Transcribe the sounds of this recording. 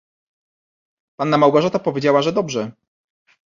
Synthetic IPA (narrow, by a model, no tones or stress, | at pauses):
panːamawɡɔʐat̪ɔpɔvʲjed͡ʑawaʐɛd̪ɔbʐɛ